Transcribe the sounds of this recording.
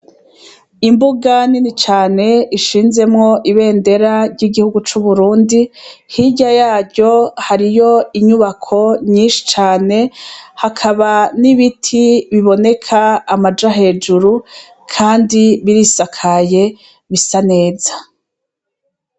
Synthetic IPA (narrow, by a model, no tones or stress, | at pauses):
imbuɡaninit͡ʃaːne̞iʃiːnze̞mŋo̞ʔiβe̞ːnde̞ɾaɾɟiɡihuɡut͡ʃuβuɾuːndihiɟajaːɾɟo̞haɾijo̞iɲuβakʰo̞ɲiːnʃi̥t͡ʃaːne̞hakʰaβaniβitʰiβiβo̞ne̞kʰaːmad͡ʒaɦe̞ːd͡ʒuɾu | kʰaːndiβiɾisakʰaje̞ | βisane̞ːzḁ